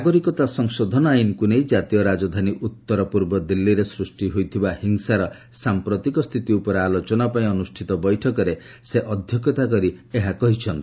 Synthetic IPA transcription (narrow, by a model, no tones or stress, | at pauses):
aɡɔɾikɔt̪asɔŋsod̪ʱɔnɔajnkunejd͡ʒat̪ijɔɾad͡ʒɔd̪ʱaniʔut̪ːɔɾɔpuɾbɔd̪ilːiɾesɾusʈiɦojt̪ʰibahiŋsaɾɔ | sampɾɔt̪ikɔst̪ʰit̪iupɔɾealot͡ʃɔnapaĩɔnusʈʰit̪ɔbɔjʈʰɔkɔɾe | seʔɔd̪ʱjɔkɔt̪ak̬ɔɾieɦakɔɦit͡ʃʰɔnt̪i